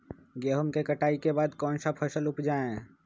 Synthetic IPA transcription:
ɡeɦumkekəʈaːikebaːd̪kɔːnsapʰəsəlʊpd͡ʒaːẽ

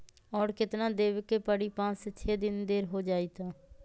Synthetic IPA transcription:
ɔːɾkɪt̪nãːd̪eːʋkeːpəɽiːpãːt͡ʃɪt͡ʃʰeːd̪ɪnd̪eːɾɦoːd͡ʒaːiːt̪ãː

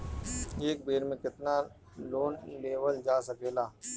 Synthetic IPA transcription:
eːk̚beːɾmẽkɪt̪na | loːnleːwəld͡ʒaːsəkeːlaː

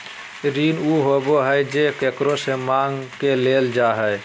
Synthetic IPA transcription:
ɾinuɦoboɦəjd͡ʒekekɾosemaŋɡkeleld͡ʒaɦəj

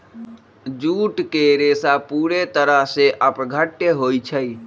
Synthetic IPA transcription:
d͡ʒuʈkeɾesapuɾet̪əɾəɦseʔəpɡʱəʈːeɦojt͡ʃʰəj

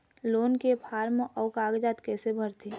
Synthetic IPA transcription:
loːnkepʰaːɾmʔɔːkaːɡd͡ʒaːt̪keːsebʱəɾt̪ʰiː

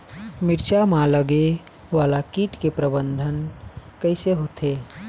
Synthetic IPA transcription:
miɾt͡ʃamaləɡe | ʋalakiːʈkepɾəbənd̪ʱənkəjseɦot̪ʰe

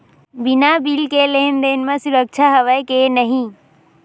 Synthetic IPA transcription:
binabilkeleɦnd̪enmẽsuɾək̚t͡ʃʰaɦəʋəkenəɦĩ

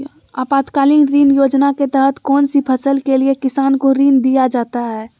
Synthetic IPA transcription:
a̰ːpaːt̪kaːlinɾiːnjoːd͡ʒnaket̪ɛɦət̪kɔːnsipʰəsəlkeliekɪsaːnkoɾiːnd̪ijad͡ʒaːt̪aɦɛː

